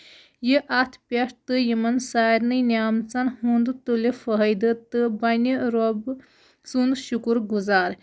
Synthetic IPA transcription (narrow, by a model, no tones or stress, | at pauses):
jiʔat̪ʰpʲɐʂt̪ɨjimɐnsaːjɾnɨjnʲjaːmt͡sanhund̪ut̪ulefəɦəjd̪ət̪ɨbɐnʲiɾob | t͡sund̪ɕukuɾɡuzaːɾ